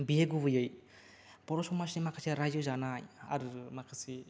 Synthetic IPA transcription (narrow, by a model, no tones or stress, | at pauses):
bieɡubɯjɯj | pɔɾɔsɔmasnimakʰasiɾazɯzanaja̰ɾɯmakʰasi